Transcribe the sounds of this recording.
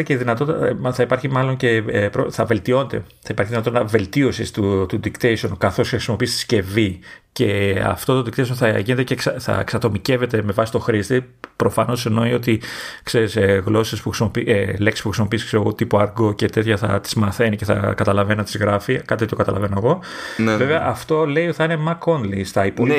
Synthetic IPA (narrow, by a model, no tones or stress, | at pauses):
ceðinɐt̪o̞t̪θɐipɐɾçimɐlo̞ɲce̞pɾoθɐve̞lt̪io̞net̪e̞̰ | θɐipɐɾçiðinɐt̪ot̪ɐve̞lt̪io̞sist̪ut̪ud̪ikt̪esonkɐθo̞sçexɾisimo̞pist̪i̥sce̞vice̞ɐ̰ft̪o̞t̪od̪ikt̪eis̬onθɐʝinet̪ecekθɐ̰eksɐt̪o̞mice̞ve̞t̪e̞me̞vɐsist̪o̞xɾist̪ipɾo̞fɐno̞senoio̞t̪ikse̞ɾiseɣlo̞sespuxɾisimo̞pieleksi̥puxɾisimo̞piskseɾoɣo̞t̪ipoɐɾɡo̞ce̞t̪et̪çɐθɐ̰t̪i̥zmɐθe̞niceθɐ̰kɐt̪ɐlɐvenɐt̪izɣɾɐfikɐt̪iot̪okɐt̪ɐlɐvenoeɣo̞veveɐʔɐft̪o̞le̞ioiθɐinemɐko̞nlist̪ɐipo